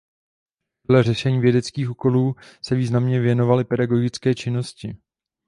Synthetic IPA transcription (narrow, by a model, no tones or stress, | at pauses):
polɛrɛʃɛɲiːvjɛdɛt͡skiːxʔuko̞luːsɛviːznamɲɛvjɛno̞valɪpɛdaɡo̞ɡɪt͡skɛːt͡ʃɪno̞scɪ